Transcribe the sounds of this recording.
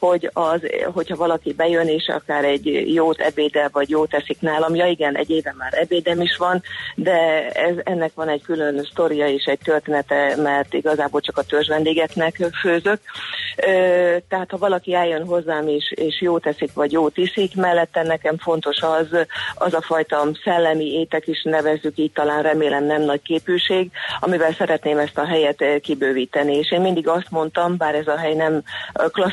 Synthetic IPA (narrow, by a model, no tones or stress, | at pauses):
ho̞ɟɒzɦo̞chɒvɒlɒkibɛjøneːʃɒ̰kaːɾɛɟːjoːt̪ɛ̰beːd̪ɛvɒɟjoːt̪ɛsiknaːlɒmjɒiɡɛnʔɛ̰ɟːeːvɛmːaːɾɛbeːd̪ɛmiʃʋɒnd̪ɛɛzɛnːɛkʋɒnɛɟkylø̞nst̪o̞ɾijɒeːʃɛɟ̚t̪ørt̪eːnɛt̪ɛmɛrt̪ḭɡɒzaːboːlt͡ʃɒkɒt̪ørʒʋɛnd̪eːɡɛknɛkføːzøkøːt̪ɛɦaːt̪hɒvɒlɒkiɛljønɦo̞zːaːmeːʃeːʃjoːt̪ɛsikʋɒɟjoːt̪isikmɛlːɛt̪ːɛnːɛkɛɱfo̞n̪t̪o̞ʃɒzɒzɒfɒjt̪ɒsɛlːɛmieːt̪ɛkiʃnɛvɛzːykiːc̚t̪ɒlaːnrɛmeːlɛmnɛmnɒɟkeːpylʃeːɡɒ̰mivɛlsɛɾɛt̪neːmɛst̪ɒɦɛjɛt̪kibøːviːt̪ɛnieːʃeːmmind̪iɡɒst̪mo̞nt̪ɒmbaːɾɛzɒɦɛjnɛmklɒ